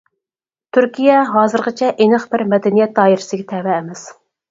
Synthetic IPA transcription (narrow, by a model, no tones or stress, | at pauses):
t̪ʰyɾkʲijɛɦɑːzɨɾqət͡ʃʰɛʔenɨχbɪɾmɛd̪ɛnijɛt̪̚d̪ɑːiɾɪsɪɡʲɛt̪ʰɛvɛːmɛs